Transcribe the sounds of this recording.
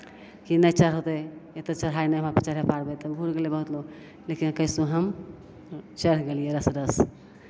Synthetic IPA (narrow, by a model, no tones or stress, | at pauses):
kinət͡ʃəɾɦot̪ɛet̪et͡ʃəɾɦajnɛəmaɾpət͡ʃəɾɦepʰaɾbɛt̪ɔɡʱuɾɡelebəɦut̪lo | lekinkəɪsũɦəm | t͡ʃəɾɡelijeɾəsɾəs